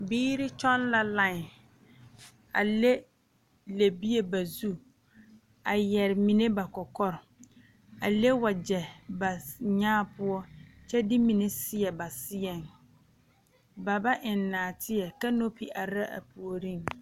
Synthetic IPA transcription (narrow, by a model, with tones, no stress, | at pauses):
biː˦ɾi˦t͡ʃɔ˦nla˦la˦˨ŋ˨ | a̰˨le˦ | le˨bi˦e˦ba˨zu˦ | a˨jɛ˨ɾɪ˨mi˨ne˦ba˨kɔ˨kɔ˦ɾɪ˨ | a̰˨le˦wa˨d͡ʒɛ˨ba˨ɲaː˦pʊ˦ɔ˦t͡ʃɛ˦dɪ˦mi˨ne˦sɪ˦ɛ˨ba˨sɪ˦ɛ˨ŋ | ba˨ba˦ʔɪ˨nːaː˨tʰɪ˦ɛ˨ka˦no˦pi˨ʔa˨ɾa˦ʔa̰˨pu˨o˨ɾĩ˦ŋ